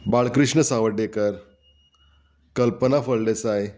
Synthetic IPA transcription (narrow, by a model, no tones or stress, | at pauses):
baɭkɾiʂɳəsaʋəɖekəɾ | kəlpənafəɭlesaj